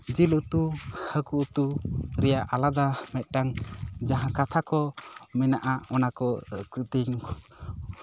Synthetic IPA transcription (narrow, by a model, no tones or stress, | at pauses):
d͡ʒilut̪uhəkuʔt̪uɾɛjaʔalad̪amɛt̪̚ˀʈaŋd͡ʒaɦãkat̪ʰakɔmɛnaʔaɔnakɔkit̪iɲ